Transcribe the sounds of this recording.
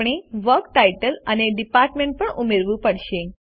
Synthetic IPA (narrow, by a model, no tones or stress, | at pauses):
ɳ̃eʋəɾk̚ʈajʈəlaneɖipaɾʈmẽɳʈ̚pəɳumeɾʋũpəɽɕẽ